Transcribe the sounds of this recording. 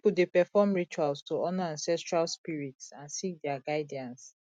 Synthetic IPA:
pudepɛfɔmɹit͡ʃualstuɔnaãnsɛstɹalspiɹitsãnsik̚dɛaɡaɪdiãns

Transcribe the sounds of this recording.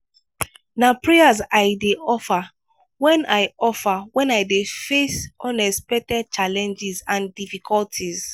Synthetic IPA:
napɹɛazajdeɔfa | wɛ̃najɔfawɛ̃najdefesɔ̃nɛspɛtɛd̚t͡ʃalɛ̃nd͡ʒizãndifikʰɔltʰiz

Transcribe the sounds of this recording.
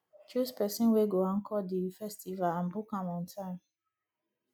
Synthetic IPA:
t͡ʃʰuspɛsɛ̃nweɡoãŋkʰɔdifɛstivalãnbukãmɔ̃ntʰãm

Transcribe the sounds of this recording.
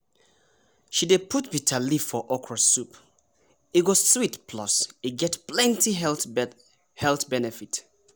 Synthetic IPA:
ʃidepʰutbitʰalifɔʔɔkʰɹəsup | it̚wɔsswitpʰlɔsiɡɛtplɛ̃ntʰi | hɛlθbɛnɛfit

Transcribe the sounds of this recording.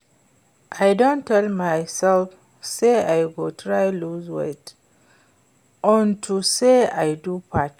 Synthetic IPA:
ʔajdõntʰːɛlmajsɛlf | seajɡotʰɹajluzwḛt | ʔɔ̃ntʰuseajdupʰat

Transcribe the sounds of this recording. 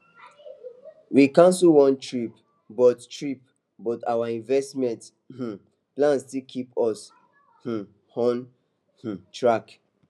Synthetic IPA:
wikãnsulwɔ̃ntɹip | bɔttɹip̚ | bɔtawaĩnvɛstmɛ̃nt | h̩ | plãnstikʰipɔs | h̩ | hɔ̃n | h̩tɹak

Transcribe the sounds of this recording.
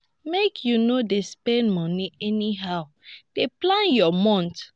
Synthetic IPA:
mekʰjunodespɛ̃nmɔniʔɛniɦaʊ | d̥eplãnjɔmɔ̃nt

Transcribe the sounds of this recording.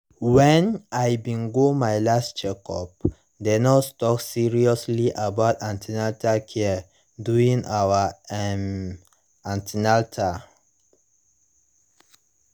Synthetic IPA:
wɛ̃najbĩnɡomajlast͡ʃɛkɔ̰p̚ | denɔttɔksiɹiɔsliʔabawtãntinatakʰɛ | duĩŋawəɛm | ãntinaltʰa

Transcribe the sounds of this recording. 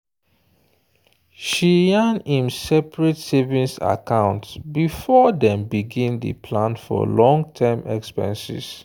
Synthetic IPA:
ʃijanĩmsɛpɹɛtsevĩnsa̰kãʊ̃ntsbifɔdɛ̃mbiɡĩndḛpʰlãntfɔ̰lɔ̃ŋɡtʰɛmʔɛ̰kspɛ̰̃nsḭs

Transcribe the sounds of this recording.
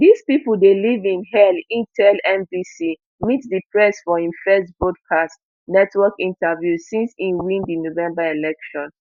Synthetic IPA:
dispipl̩delivĩnɦɛlĩntʰɛlɛ̃mbisi | mitdipʰɹɛsfɔĩmfɛstbɹɔdkʰast | nɛtʰwɔkĩntavjusĩnsĩnwĩndinovɛ̃mbaelɛkʃɔ̃n

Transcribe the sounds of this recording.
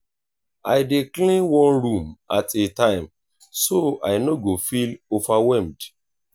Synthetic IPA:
ajdeklĩnwɔ̃nɹũma̰tʰetãɪ̃m | soa̰ɪnoɡofilovawɛmd

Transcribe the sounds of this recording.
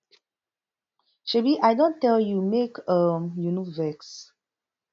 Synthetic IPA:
ʃebiʔajdõntɛljumekʌmjunovɛks

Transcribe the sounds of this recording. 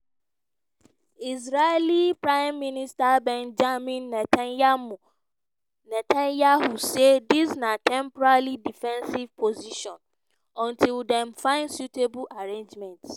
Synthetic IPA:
is̬ɾalipɹãɪmːĩnistabɛ̃nd͡ʒamĩnːɛtʰamũ | nɛtʰãnjahusedisnãtʰɛ̃mpɔɾalidifɛ̃nsivpʰoziʃɔ̃n | ɔ̃ntʰildɛ̃mfãɪ̃nsjutʰebulaɹẽnd͡ʒmɛ̃nts

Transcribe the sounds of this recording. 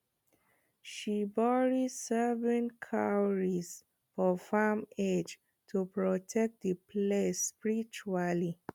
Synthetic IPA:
ʃibɔɹisɛvə̃nkʰawɹis | fɔfamed͡ʒ | tʰupɹɔtʰɛk̚t̚dəpʰlespiɹit͡ʃuali

